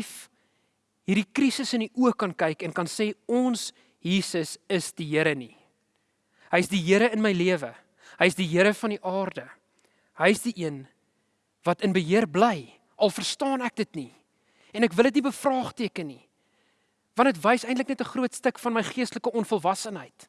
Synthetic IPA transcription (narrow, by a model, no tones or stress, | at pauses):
f | ɦiːrdikrisəsəniʔuəkɐnkɐjkɛnkɐnseːɔns | jiːsəsəsdiɦiəɾəni | ɦəjəsdiɦiəɾəənməjliəvə | ɦəjəs̬diɦəɾəfɐniʔɑːrdə | ɦəjəsdiʔiən | vɐtənbəɦiərblɛj | ɐlˠfərstɑːnæk̚dətni | ɛnækvəlˠət̬nibəfrɑːχtiəkənːi | vɐntətvəjsɛj̃ntləknɛtəχruətstəkfɐnməjχiəstləkəɔnfɔlˠvɐsənɦəjt